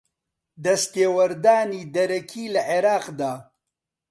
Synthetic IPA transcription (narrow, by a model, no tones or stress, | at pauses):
d̪ɐst̪eːwɐɾd̪aːniːd̪ɐɾɐkʰiːlɐʕeɾaːqd̪aː